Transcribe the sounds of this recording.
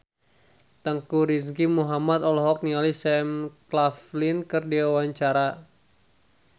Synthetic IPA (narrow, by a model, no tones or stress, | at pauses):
t̪əŋkuɾisɡimuɦamat̪ɔlɔɦɔk̚nialisɛmklaflinkɨrdiawaɲt͡ʃaɾa